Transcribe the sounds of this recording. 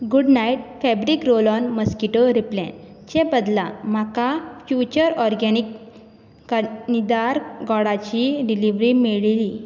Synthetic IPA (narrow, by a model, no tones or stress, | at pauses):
ɡuɖnaiʈ̚fɛbɾikɾolɔnməskiʈoɾiplɛ̰̃n | t͡ɕẽbəd̪la̰m̤akafjut͡ɕəɾɔɾɡɛnikː | nid̪aɾɡɔɽat͡ɕiɖiliʋɾimiɭli